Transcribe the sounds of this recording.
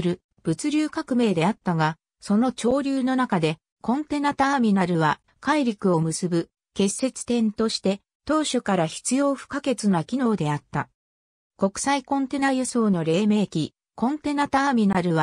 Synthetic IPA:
ɾɯ̟ | b̥ɯ̟t͡sɨɾʲɨːkakɯ̟me̞ːd̪e̞at̪ːaɡa | so̞no̞t͡ɕo̞ːɾʲɨːno̞nakad̪e̞ | kõ̞nt̪e̞nat̪aːmʲinaɾɯβa | kaiɾʲikɯ̟o̞mɯ̟sɨbɯ̟ | ke̞sːe̞t͡sɨ̥t̪ẽ̞nt̪o̞ɕi̥t̪e̞ | t̪o̞ːɕokaɾaçi̥t͡sɨjo̞ːɸɯ̥kake̞t͡sɨnakʲino̞ːd̪e̞at̪ːa | ko̞kɯ̟̥saikõ̞nt̪e̞najɯso̞ːno̞ɾe̞ːme̞ːkʲi | kõ̞nt̪e̞nat̪aːmʲinaɾɯ̟βa

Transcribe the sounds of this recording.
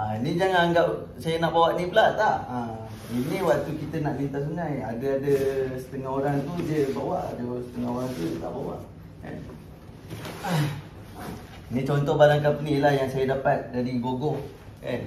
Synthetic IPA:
ainid͡ʒaŋanaŋɡap̚ | sajənaʔbawaʔnibəlaʔt̪aʔa | iniwaʔt̪ukit̪ənaʔlint̪asunajadəadəsə̥t̪əŋaɦoɾaŋt̪udəbawaʔadəsə̥t̪əŋaoɾaŋt̪ut̪a̰ʔbawa̰ʔ | ka̰n | a | a̰ | nit͡ʃɔnt̪ɔhbaɾaŋkapənilahjaŋsajədapat̪̚dadiɡoɡɔh | ka̰n

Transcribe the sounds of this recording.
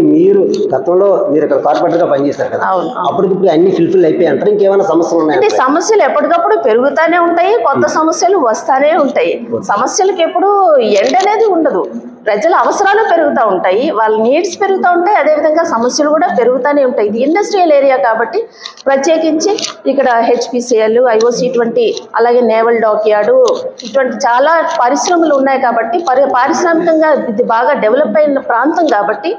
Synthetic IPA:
miːɾuɡɐt̪ɐmlo̞ːmiːɾikːɐɽɐkaːɾpɛːʈ̬ɐɾɡaːpɐnit͡ʃɛːsaːɾukɐd̪aɐ̰unuɐ̰ɐpːuɽikipːuɽɐnːipʰilpʰilɐjpoːjɐɳʈaːɾiŋkeːʋɐlnaːsɐmɐsjɐlunːaːjɐɐɖesɐmɐsjɐluɛpːɐʈikɐpːuɽupe̞ɾuɡut̪aːne̞ːuɳʈaːjikɔt̪ːɐsɐmɐsjɐluʋɐst̪aːne̞ːuɳʈaːjisɐmɐsjɐlɐkepːuɽueɳɖɐne̞ːd̪iuɳɖɐd̪u | pɾɐd͡ʒɐlɐɐʋɐsɐɾaːluːpe̞ɾuɡut̪aːuɳʈaːjiʋaːɭːɐniːɖspe̞ɾuɡut̪aːuɳʈaːjɐd̪eːʋid̪ʱɐŋɡaːsɐmɐsjɐlukuːɽaːpe̞ɾuɡut̪aːneːuɳʈaːjid̪iːɳɖɐsʈɾiɐle̞ːɾijaːkaːbɐʈːi | pɾɐt̪jeːkiɲt͡ʃiːkːɐɽɐɦe̞t͡ʃpiːsɐluɐjʋoːsiːʈuʋɐɳʈiɐ̰laːɡe̞ːnɛːʋɐlɖoːkijaːɽuiʈuʋɐɳʈit͡ʃaːlaːpɐɾiʃɾɐmɐluunːaːjikaːbɐʈːipɐɾpaːɾiʃɾaːmikɐŋɡaːid̪ibaːɡaːɖeʋɐlɐpːɐjnɐpɾaːnt̪ɐmkaːbɐʈːi

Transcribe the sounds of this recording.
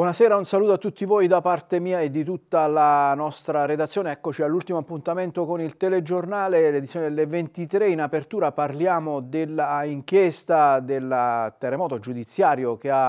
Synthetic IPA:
bwɔnasɛːɾaunsaluːt̪oat̪ːut̪ːivoːjd̪apart̪emiːaed̪ːit̪ut̪ːalanɔst̪ɾared̪at̪sːjoːneɛkːot͡ʃialːult̪imoapːunt̪ament̪okonilt̪ɛled͡ʒornaːleled̪it̪sːjoned̪elːevent̪it̪ɾeinapert̪uːɾaparljaːmod̪elːaiŋkjɛst̪ad̪elːt̪ɛrːemɔːt̪od͡ʒud̪it̪sːjaːɾjokeab

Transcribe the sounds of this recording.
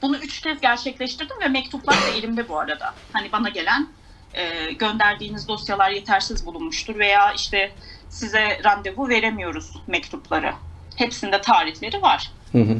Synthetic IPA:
b̥unuyt͡ʃcʰɛzɟæɾt͡ʃʰɛclʲɛʃt̪iɾd̪imvɛmɛc̚t̪ʰuplˠaɾd̪ailʲimd̪ɛbuaɾad̪a̰hanibanaɟe̞lʲæn | ɛːɟø̞nd̪æɾd̪iːnizd̪o̞sjalˠaɾje̞t̪ʰæɾsizbulˠunmuʃt̪ʰuɾve̞jaːiʃt̪ʰɛsizɛɾand̪e̞vuve̞ɾemijo̞ɾuz̥mɛct̪ʰuplˠaɾɯ̰ | he̞psind̪ɛt̪ʰaːɾihlʲe̞ɾivaɾ̥̩ | ɦ

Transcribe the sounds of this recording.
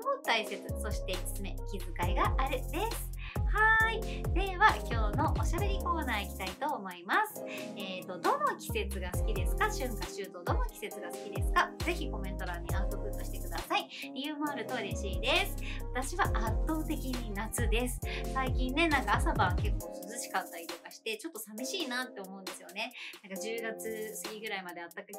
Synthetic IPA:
mot̪aise̞t͡sɨsoɕi̥t̪e̥t͡sɨme̞ikʲibɨkaiɡaʔaɾɯ̟d̪esɨ̥haid̪̥e̞βakʲo̞ːno̞ʔoɕabe̞ɾʲiko̞ːnaːikʲi̥t̪ait̪o̞ːmo̞imasɨ̥eːt̪o̞d̪o̞no̞kʲi̥se̞t͡sɨɡasɨ̥kʲid̪e̞sɨ̥kaɕɨ̃ŋkaɕɨːt̪o̞d̪o̞no̞kʲi̥se̞t͡sɨɡasɨ̥kʲid̪e̞sɨ̥kad͡ze̞çiko̞mẽ̞nt̪o̞ɾaɲ̟ːiaɯt̪okɯ̟t̪ːo̞ɕi̥t̪e̞kɯ̟d̪asai | ɾʲijɯ̟ːmo̞aɾɯ̟t̪oiɾe̞ɕiːd̪e̞sɨ̥βat̪aɕiβaʔat̪ːo̞ːt̪e̞kʲiɲ̟inat͡sɨd̪e̞sɨ̥saikʲĩnːe̞nãŋkaːsabãŋke̞kːo̞ːsɨzɨɕi̥kat̪ːaɾʲit̪o̞kaɕi̥t̪e̞t͡ɕo̞t̪ːo̞samʲiɕiːnaːt̪ːe̞o̞mo̞ɯ̟̃nd̪e̞sɨjone̞nãŋkad͡ʑɨːɡat͡sɨsɨ̥kʲiɡɯ̟ɾaimad̪e̞at̪ːakɯ

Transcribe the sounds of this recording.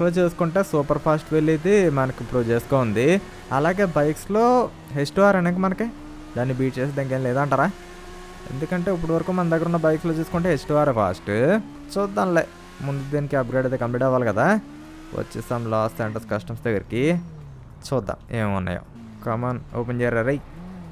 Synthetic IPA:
loːt͡ʃuːsu̥kuɳʈe̞ːsuːpɐɾpʰaːsʈʋeɭːit̪imɐnɐkipɾuːʋt͡ʃeːsu̥koːund̪i | ɐlaːɡe̞ːbɐjkslo̞ː | ɦe̞sʈuʋaːɾɐneːk̬ɐmɐnɐki | d̪aːnːibiːʈ̚t͡ʃeːseːd̪ɐːnikeːnilɛːd̪aɐɳʈaːɾaː | e̞̰nd̪ukɐɳʈe̞ːip̬ːuɽiʋɐɾɐkuːmɐnɐd̪ɐɡːɐɾunːɐbɐjkslo̞ːt͡ʃuːsu̥kuɳʈeːɦesʈuʋaːɾepʰa̰ːsʈ | t͡ʃuːd̪ːanlḛː | mund̪ud̪eːnikiɐp̚ɡɾaːɖɐjt̪eːkɐmpiɖɐʋːaːlikɐd̪aː | ʋɐ̰t͡ʃːisaːmlaːsaːɳʈɐɾskɐsʈɐmsd̪ɐɡːɐɾiki | t͡ʃuːd̪ːa̰ːmḛːmunːa̰jo̰ | kɐmɐnoːpent͡ʃeːɾɐɾɐj

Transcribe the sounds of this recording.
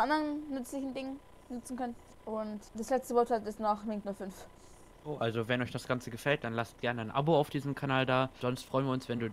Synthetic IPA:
ʔandəʁənːʏt͡slɪçn̩dɪŋən | nʏt͡sn̩kʰœnə | ʔʊntd̥aslɛt͡stəvɔɐthatɪstnaχmɪŋtnuːɐfʏnf | ʔoːʔalzovɛnɔʏçd̥asɡ̥ant͡səɡəfɛlt̚d̥anlast̚ɡ̥ɛɐnəanʔa̰boaʊfd̥iːzəmkʰanaːldaːɐz̥ɔnstfʁ̥ɔʏnviːɐʊnsv̥ɛnduː

